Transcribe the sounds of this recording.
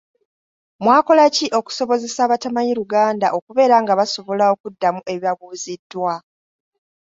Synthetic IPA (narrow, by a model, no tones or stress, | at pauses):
mwaːko̞laciʔo̞ku̥so̞βo̞ze̞saːβatamaɲiɾuɡaːndaʔo̞kuβe̞ːɾaŋɡaβaso̞βo̞lao̞kudːamuʔe̞βjaβuːzidːwa